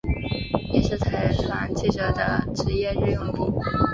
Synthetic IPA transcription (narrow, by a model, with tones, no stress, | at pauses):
jɛ˨˩ʂɻ̩˥˩t̪ʰa˧˥ɪla̰˧˥ŋt͡ɕʰi˥˩ʈ͡ʂɤ˧˥˩d̪ə̰˧˩ʈ͡ʂɻ̩˧˥jɛ˥˧ɻɻ̩˥˧jʊ˥˧ŋpu˥˩